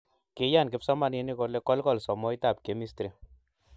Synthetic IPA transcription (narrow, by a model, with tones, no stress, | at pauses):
ke˦ja˦˨nkɪ˦psɔ˦ma˨ne˦ni˦kɔ˦le˦kɔ˦lkɔ˦lsɔ˨mɔ˦jta˨p̚ke˨mi˦stɾi˨